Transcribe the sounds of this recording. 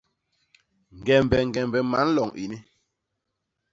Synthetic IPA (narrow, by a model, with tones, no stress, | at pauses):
ŋ̩˨ɡɛ˨m˨bɛ˨ŋ̩˨ɡɛ˨m˨bɛ˨ma̰˨˦n̩˦lɔ˨ŋḭ˨ni˦